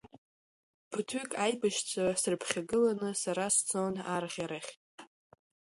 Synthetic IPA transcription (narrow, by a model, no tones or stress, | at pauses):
pʰɨtʰʏkʼajbaʃt͡ɕʷʼʰasɨrpʰχʲaɡɨlanɨsaɾast͡sʰʼonarʁʲaɾaχʲtʼ